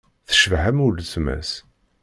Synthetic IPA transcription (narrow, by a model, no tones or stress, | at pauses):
θə̥ʃvhæmult͡smæ̰s